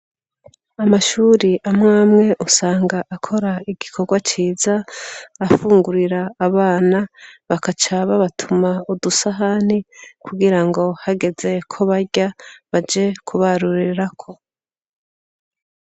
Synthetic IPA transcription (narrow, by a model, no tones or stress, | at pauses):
amaʃuːɾiʔamŋaːmŋe̞ʔusaːŋɡaʔakʰo̞ɾaiɡikʰo̞ɾɡwat͡ʃiːzaː | fuːŋɡuɾiɾaːβaːnaβakat͡ʃaβaβatʰumaudusaɦanikʰuɡiɾaŋɡo̞haɡe̞ze̞kʰo̞βaɾɟaβad͡ʒe̞kʰuβaɾuɾiɾakʰo̞